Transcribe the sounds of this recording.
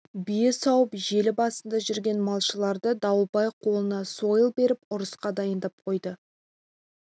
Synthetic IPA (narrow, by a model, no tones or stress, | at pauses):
bijɪsɑwəpʒe̞lɪbɑsənd̪ɑʒʏɾɡʲe̞nmɑlˠʃəlˠɑɾd̪əd̪ɑwəlˠbɑjqʰo̞lˠənɑso̞jəlˠbe̞ɾɪp̚ʊɾəsqɑd̪ɑjənd̪ɑp̚qʰo̞jd̪ə